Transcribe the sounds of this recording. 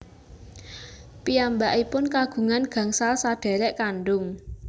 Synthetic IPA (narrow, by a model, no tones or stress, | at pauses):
piambaʔipʊnkaɡ̥ṳŋanɡ̥ä̤ŋsalsaɖ̥ɛ̤ɾɛʔkanɖʊŋ